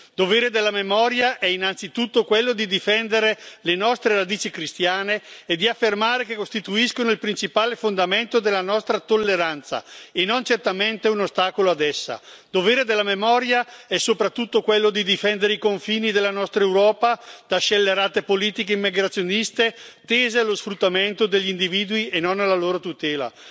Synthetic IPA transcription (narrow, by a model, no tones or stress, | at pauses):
d̪oveːɾed̪elːamemɔːɾjaʔɛinant̪sit̪ut̪ːokwelːod̪id̪ifɛnd̪eɾelenɔst̪ɾeɾad̪iːt͡ʃikɾist̪jaːneːd̪iafːermaːɾekekost̪it̪uiskonoilpɾint͡ʃipaːlefond̪ament̪od̪elːanɔst̪ɾat̪olːeɾant̪sa̰enont͡ʃert̪ament̪eunost̪aːkoload̪ɛsːa̰d̪oveːɾed̪elːamemɔɾjaɛsopɾat̪ːut̪ːokwelːod̪id̪ifɛnd̪eɾeikoɱfiːnid̪elːanɔst̪ɾaewɾɔːpad̪̥aʃelːeɾaːt̪epoliːt̪ikeimːiɡɾat̪sːjonist̪et̪eːzealosfɾut̪ːament̪od̪eʎːiːnd̪iviːd̪uienonalːaloːɾot̪ut̪ɛːla̰